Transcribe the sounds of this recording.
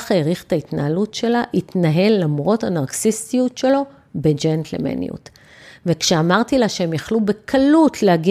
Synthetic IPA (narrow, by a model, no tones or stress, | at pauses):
χeʁiχtaitnaalutʃe̞laʔitnaɦe̞lːamʁo̞thanaʁksistijutʃe̞lo̞ | bed͡ʒent̪ʰlḛmḛnḭṵt | vekʃeamaʁtilaʃeemjaχlube̞kʰalutʰleaɡi